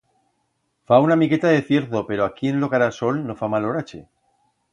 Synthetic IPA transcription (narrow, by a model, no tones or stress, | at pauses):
faunamike̞t̪aðe̞θje̞ɾðo̞pe̞ɾoakie̞nlo̞kaɾaso̞lno̞famalo̞ɾat͡ʃe̞̰